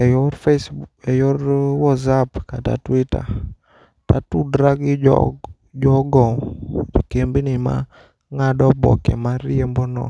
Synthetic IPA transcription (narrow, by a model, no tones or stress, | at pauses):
ɛjɔfesɛjɔɾwɔzapkata̰twita̰ | tatudɾaɡɪ | d͡ʒɔɡɔd͡ʒikembinɪma̰ | ŋadɔbɔ̰kɛ̰maɾiembonɔ̰